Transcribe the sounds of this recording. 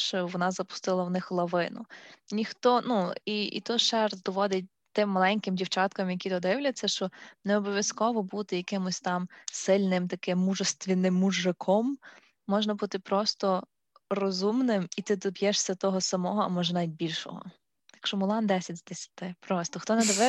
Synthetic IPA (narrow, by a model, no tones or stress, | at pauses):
ʃɔʋɔnɑzɐpʊ̥st̪ɪlˠɐwnɪxlˠɐʋɪnʊ̰nʲixt̪ɔnuiḭt̪ɔjʃɛrd̪ɔʋɔd̪ɪt̚ʲ | t̪ɪmːɐlˠɛnʲkɪmdʲiwt͡ʃɑt̪kɐmjɐkʲid̪ɔd̪ɪwlʲɐt͡sʲːɐʃt͡ʃɔneɔbɔʋʲjɐskɔʋɔbut̪ɪjɐkɪmʊsʲt̪ɑmsɪlʲnɪmt̪ɐkɪmːuʒɔst̪ʋʲinɪmːuʒːɪkʰɔmː | ɔʒnɐbut̪ɪpɾɔst̪ɔ | rɔzumnɪmit̪ɪd̪ɔbʲjɛʃsʲɐt̪ɔɦɔsɐmɔɦɔɐmɔʒɛnajt̚ʲbʲilʲʃɔ̰ɦɔ̰ | jɐkʃt͡ʃɔmʊlˠɑnd̪ɛsʲɐtʲzd̪esʲɐ̥t̪ɪpɾɔst̪ɔxt̪ɔnɛd̪ɔʋɛ